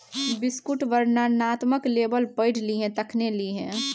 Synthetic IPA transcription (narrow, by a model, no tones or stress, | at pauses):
bɪskuʈʋəɾnanat̪məkleːbəlpəɪʈliɦɛ̃t̪əkʰneliɦɛ̃